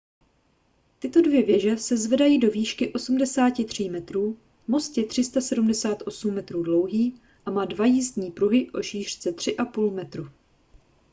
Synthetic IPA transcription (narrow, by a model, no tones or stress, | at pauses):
t̪ɪt̪o̞dvjɛvjɛʒɛsɛzvɛdajiːdo̞viːʃkɪʔo̞sumdɛsaːcɪt̪r̝̥iːmɛt̪ɾuː | mo̞st̪jɛt̪r̝̥ɪst̪asɛdumdɛsaːt̪ʔo̞sumːɛt̪ɾuːdlo̞wɦiː | ʔamaːdvajizd̪ɲiːpɾuɦɪʔo̞ʃiːr̝̥t͡sɛt̪r̝̥ɪʔapuːlmɛt̪ɾu